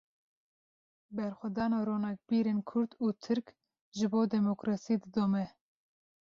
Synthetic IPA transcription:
bɛɾxʷɛd̪ɑːnɑːɾoːnɑk̚biːɾeːnkʰʊɾd̪uːt̪ʰɨɾk | ʒɨboːd̪ɛmokɾɑːsid̪ɨd̪oːmɛ

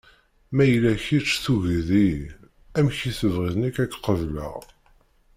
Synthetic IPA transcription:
mæjəlːæçit͡ʃːθuʝði | æmçiθəvʁiðnikækːqəvlə̰ʁ

